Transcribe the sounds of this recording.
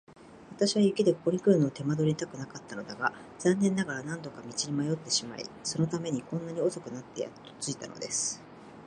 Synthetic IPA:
βat̪aɕiβajɯ̟keid̪e̞koko̞ɲ̟ikɯ̟ɾɯ̟noːt̪e̞mad̪o̞ɾʲiɲit̪akɯ̟nakat̪ːano̞d̪aɡa | z̥ãnːẽ̞nːaɡaɾanãnt̪o̞kamʲit͡ɕiɾʲimajo̞t̪ːe̞ɕima̰ḭso̞no̞t̪ame̞ɲ̟ikõ̞nːaɲ̟io̞so̞kɯ̟nat̪ːe̞ja̰t̪ːo̥t͡sɨit̪a̰no̞̰d̪e̞sɨ̥

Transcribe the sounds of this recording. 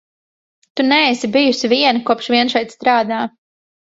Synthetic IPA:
t̪unɛːsibijusiviɛnakuɔpʃviɛnʃɛjt̪st̪ɾaːd̪aː

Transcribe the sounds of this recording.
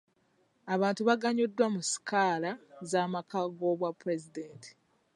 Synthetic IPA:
aβaːntuβaɡaɲodːwamusi̥kaːlazaːmakaɡoβwapːɾe̞zideːntʰi̥

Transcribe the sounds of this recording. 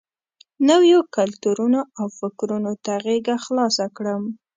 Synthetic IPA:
nawjokalt̪uɾunoawfɪkɾunot̪aɣeɡaxlɑsakɽəm

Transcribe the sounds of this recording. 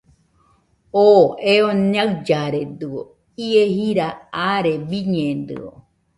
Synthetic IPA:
oeoɲaɨd͡ʒaɾed̪ɨo | iehiɾaaɾebiɲẽnd̪ɨ̰o̰

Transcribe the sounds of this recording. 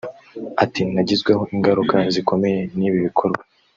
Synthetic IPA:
atinaɟizɡweho̞ʔiŋɡaɾukaziko̞me̞je̞niːβiβikʰo̞ɾɡwa

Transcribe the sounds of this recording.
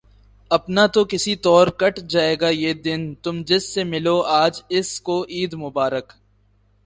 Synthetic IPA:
ɐpnat̪okɪsit̪ɔːɾkɐʈʰd͡ʒaːeːɡajeːd̪ɪnt̪ʊmd͡ʒɪsːemɪloaːd͡ʒɪskoʔiːd̪mʊbaːɾək

